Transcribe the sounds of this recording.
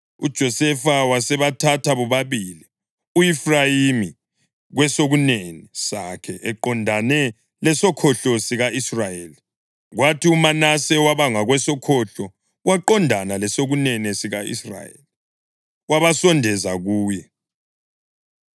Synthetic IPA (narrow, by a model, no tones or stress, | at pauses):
ṵd̥ʒ̥ʱɔsɛfawasɛβatʰatʰaβɔβaβili | uifrajimi | ɣwɛsoɣunenɛsakʰɛʔɛǃɔndʱanɛ | lɛsɔkʰɔɬɔsiɣaisrajeːli | ɣwatʰiumanasɛwaβaŋaɣwɛsɔkʰɔɬɔ | waǃɔndʱanalɛsoɣunɛnɛsiɣaḭsra̰jḛli | waβasɔndʱɛzaɣuːjɛ